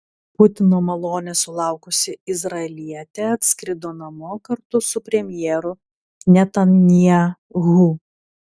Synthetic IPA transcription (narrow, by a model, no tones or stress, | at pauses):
pʊt̪ʲɪnoːmɐlˠoːnʲɛsʊlˠɑˑʊkʊsʲɪɪzɾɐɛlʲiɛt̪ʲɛɐt̪ʲsʲkɾʲɪd̪oːnɐmʊkɐɾt̪ʊsʊpʲɾʲɛmʲjɛːɾʊ | nʲɛt̪ɐnnʲiɛ | ɣu